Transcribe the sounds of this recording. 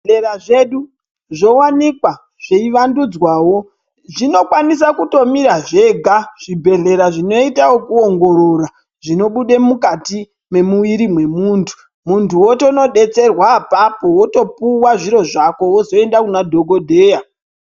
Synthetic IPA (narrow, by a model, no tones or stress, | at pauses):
eraʐeɗu | ʐo̞wanikwa | ʐ̥eiʋandud͡zwaːwo̞ | ʐino̞kwanis̬akuto̞miɾaʐe̞ɡʱaʐ̥ibʱe̞ɮe̞ɾaʐino̞itawokuoŋɡo̞ɾo̞ra | ʐino̞ɓuɗe̞mukati | me̞muʋiɾimwe̞muːntʰu̥ | muntuwotono̞ɗe̞t͡se̞rwaːpapo̞woto̞puwaʐiɾo̞ʐako̞wozo̞e̞ndakunadʱo̞ɡʱo̞dʱe̞ːja